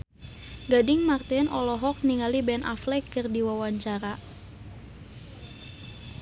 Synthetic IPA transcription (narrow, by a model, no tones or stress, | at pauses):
ɡadɪŋmart̪ɪnɔlɔɦɔk̚niŋalibɛnʔa̰flɛkɨrdiwawaɲt͡ʃaɾa